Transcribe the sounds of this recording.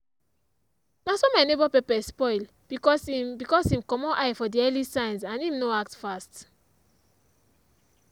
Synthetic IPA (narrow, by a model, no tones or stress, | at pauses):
nasɔmajnebɔpɛpɛspɔɪl | kɔsbikɔsĩmkɔmɔ̃ʔajfɔdiɛlisãjnsãnĩmnoak̚tfast